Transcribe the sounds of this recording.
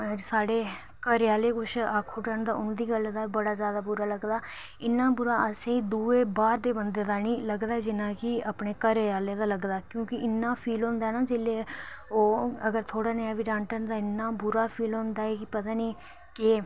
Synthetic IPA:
saːɽeː | kəɾjaːleːkʊt͡ʃʰaːkʰːuːʈənd̪aːʊnd̪iːɡəld̪aːbəɽaːzjaːd̪aːbʊɾaːləɡd̪aː | ɪnːãːbʊɾaːəsẽːiːd̪uːeːbaːɾd̪eːbənd̪eːd̪aːniːləɡd̪aːɦɛːd͡ʒɪnãːkɪapɳeːkəɾaːleːd̪aːləɡd̪aːkjõːkɪɪnːãːpʰiːlɦõːnd̪aːnaːd͡ʒɪleːoːəɡəɾt̪ʰoːɽaːnaːʋiːɖãːɳʈənd̪aːɪnːaːbʊɾaːpʰiːlɦõːnd̪aːɛːkɪpət̪aːniː | kɪ

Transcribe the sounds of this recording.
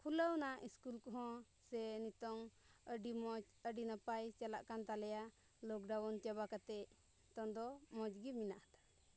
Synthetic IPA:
kʰuləwnaʔiskulkɔɦɔ̃ | sɛnit̪ɔŋ | əɖimɔd͡ʒ | əɖinapajt͡ʃala̰ʔkant̪alɛja | lɔkɖawɔnt͡ʃabakat̪ɛʔ | t̪ɔnd̪ɔmɔ̃d͡ʒɡiminaʔhat̪ḁ

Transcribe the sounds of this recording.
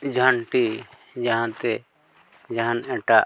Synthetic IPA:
d͡ʒʱaɳʈi | d͡ʒaɦãt̪ɛ | d͡ʒaɦãnɛʈa

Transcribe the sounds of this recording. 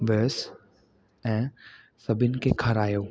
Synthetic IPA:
ʋəːs | ɛ̃ː | sɐbɪnkekʰɐɾaːjoː

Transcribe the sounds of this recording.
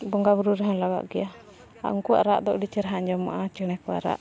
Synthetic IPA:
bɔŋɡabuɾuɾɛɦə̃laɡa̰ʔɡɛja | a̰uŋkua̰ʔɾaʔd̪ɔʔɖit͡ʃɛɾaɦaɲd͡ʒɔmːa̰ʔat͡ʃɛɽ̃ɛkɔa̰ɾa̰ʔ

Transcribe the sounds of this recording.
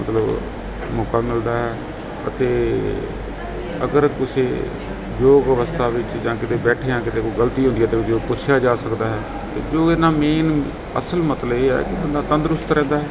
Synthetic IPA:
mət̪ləb | mʊkəməld̪aːɦɛː | ə̰t̪eː | ə̰ɡəɾkʊseː | d͡ʒoːɡəʋəst̪ʰaːʋɪt͡ʃd͡ʒãːkɪt̪eːbɛːʈʰejãːkɪt̪eːkoɡəlt̪iːɦõnd̪iːɛːt̪eːʊt̪eopʊt͡ʃʰjaːd͡ʒaːsəkd̪aːɦɛː | t̪ḛːd͡ʒoːɪnaːmeːn | ə̰səlmət̪ləbeːɛ̰ːkɪbənd̪aːt̪ənd̪ɾʊst̪ɾɛ̃ːnd̪aːɦɛː

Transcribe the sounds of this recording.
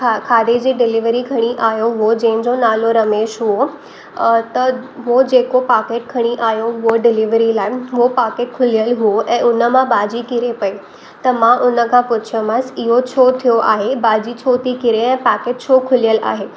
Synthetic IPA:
kʰakʰaːd̪ed͡ʑiːɖɪlɪʋɾikʰɐɽ̃iʔaːɦjoɦuod͡ʑɐ̃ɦɪ̃ɲd͡ʑonaːloɾɐmeːʃɦuo | t̪ɐɦod͡ʑeːkopaːkeːʈ̚kʰɐɽ̃iʔaːɦjoɦuoɖɪlɪʋɾilaːɪɦopaːkeːʈ̚kʰʊlijəlɦuoʔɛ̃ːʊnə̆mãbaːd͡ʑikɪɾepɐi | t̪ɐmãʔʊnə̆kʰãːpʊt͡ɕʰiõməsɪɦot͡ɕʰoːt̪ʰijoʔa̰ːɦebaːd͡ʑit͡ɕʰoːt̪ʰikɪɾeɛ̃ːpaːkeːʈ̚t͡ɕʰoːkʰʊlijəla̰ːɦeː

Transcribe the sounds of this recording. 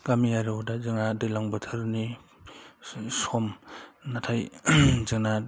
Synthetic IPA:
ɡamiaɾɯdazɯŋnadɯjlaŋbɯtʰɯɾni | sɔmnatʰajzɯŋna

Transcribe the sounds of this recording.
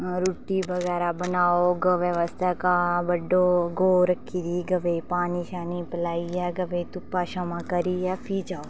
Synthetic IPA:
ɾuːʈiʋəɣɛːɾabənaːoɡəʋjəʋəst̪ʰakabəɖoɡoːɾəkʰːiːd̪iːɡɐʋepaːniʃaːnipəlaːiɛɡɐʋet̪ʊpaʃɐmãːkəɾiɛpʰid͡ʒaːo

